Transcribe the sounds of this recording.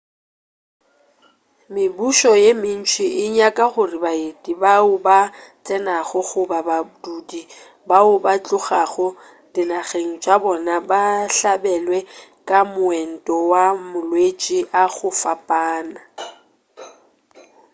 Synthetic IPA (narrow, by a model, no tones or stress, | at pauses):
mɪbuʃɔjemɪn̩t͡ʃʰwɪʔɪɲakʼaɣʊrɪbaetʼibaʊbat͡sʼɛnaɣʊɣʊbabadudi | baʊbat͡ɬʼʊɣaɣʊ | dɪnaɣeŋ̩t͡ʃʼabɔnabaɬabɛlwɛkʼamʊɛn̩tʼɔwamʊlwet͡ʃʼiʔaɣʊfapʼaːna